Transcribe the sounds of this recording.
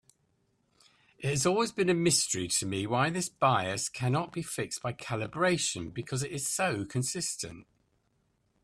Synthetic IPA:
ɪt̚həzɔːlˠwɪzbĩnəmɪstəɹitʰəmiwaɪðɪsb̥aɪəskʰanɒʔb̥ifɪksb̥aɪkʰalɪbɹeɪʃə̃nbɪkʰɒzɪtɪz̥səʊkʰə̃nsɪstə̰̃nt

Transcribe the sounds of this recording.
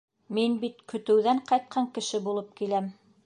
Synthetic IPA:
minbit̪kɵ̆t̪ɘ̆wðæɴqɑjt̪̚qʰɑŋkɘ̆ʃɘbulˠɤp̚kilæm

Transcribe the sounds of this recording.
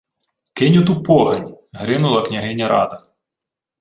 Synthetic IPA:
kɪnʲʊt̪̬upɔɦɐnʲɦɾɪnʊlˠɐknʲɐɦɪnʲːɐɾʔɑ̰d̪ɐ

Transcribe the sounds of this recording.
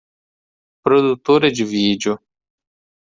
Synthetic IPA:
pɾod̪uk̚t̪oɾed͡ʒvid͡ʒo

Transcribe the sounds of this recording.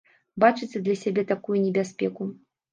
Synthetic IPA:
bat͡ʂɨt͡sʲɨd̪lʲɐsʲabʲɛt̪akujunʲɛbʲasʲpʲɛku

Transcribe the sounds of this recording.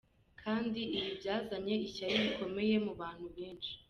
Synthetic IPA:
kʰaːndiʔiβibɟaːzaɲe̞icaɾiβiko̞me̞je̞muβaːn̥huβeːnʃi̥

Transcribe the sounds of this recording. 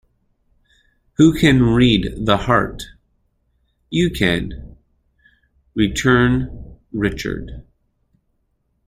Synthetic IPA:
hukʰɨ̃nɹid̪ðəhɑ̰ɹt | jɨkʰɨ̰̃n | ɹitʰɜ̃˞n | ɹɪt͡ʃə̰˞d̥

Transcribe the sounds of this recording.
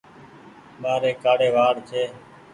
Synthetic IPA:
ɓaːɾeːkaːɽeːʋaːɽt͡ʃʰeː

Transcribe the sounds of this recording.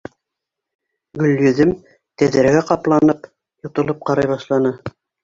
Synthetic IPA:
ɡɵ̆lʲːjɵ̆ðɘm | t̪æðɘ̆ɾɡæqɑplˠɑnɤp | jŏt̪ŏlˠɤp̚qɑɾɑjβɑʃlˠɑnɤ

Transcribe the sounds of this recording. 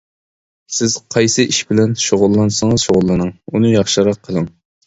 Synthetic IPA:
sɪz̥qʰɑjsɨʔiʃbɪlɛnʃoʁʊlˠːɑnsɨŋɨz̥ʃoʁʊlˠːɨnɨŋunɨjɑχʃɨɾɑqʰːəlˠɨŋ

